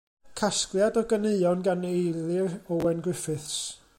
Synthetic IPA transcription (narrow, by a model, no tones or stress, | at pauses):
kʰasklˠjadɔɡəneɨɔnɡanejlˠɪrɔwɛnɡwɪfɪθs